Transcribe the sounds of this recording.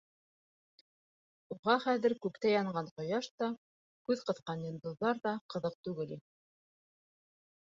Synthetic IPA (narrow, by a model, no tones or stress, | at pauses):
uʁɑχæðɘ̆ɾkʉkt̪æjɑɴɢɑɴqŏjɑʃt̪ɑ | kʉðqɤ̆θqɑnjĭnd̪uðlːˠɑɾðɑqɤ̆ðɤq̚t̪ʉɡɘli